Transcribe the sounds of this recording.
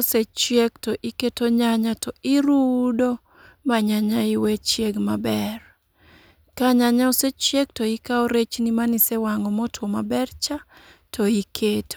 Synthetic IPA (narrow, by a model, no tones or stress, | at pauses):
set͡ʃjeɡtɔʔiketoɲaɲatɔiɾudo | maɲaɲaɪwɛt͡ʃjeɡmabɛr | kaɲaɲaoset͡ʃjeɡtɔikaoɾet͡ʃnimanisɛwaŋɔmɔtʰwɔmabɛrt͡ʃa | tʰɔikʰeto